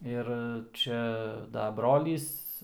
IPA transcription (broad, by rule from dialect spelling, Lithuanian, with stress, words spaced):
ˈɪr ˈt͡ʃʲɛ dɐ ˈbroːlʲiːs